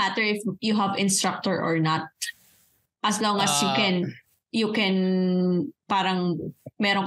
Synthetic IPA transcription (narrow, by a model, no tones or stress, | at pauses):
at̪ɛɹɪfjʊɦɐvɪ̃nst̪ɹak̚t̪ɔɹʔɔ̰ɹnat̪̚ | ʔɐsloŋɐsjukɛn | jukɛn | paːɾɐŋmɛːɾoŋ